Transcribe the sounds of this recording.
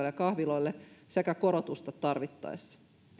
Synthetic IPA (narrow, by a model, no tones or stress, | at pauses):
lːekɑhʋilo̞ilːese̞kæko̞ɾot̪ust̪ɑt̪t̪ɑrʋit̪ːɑ̰jsːɑ̥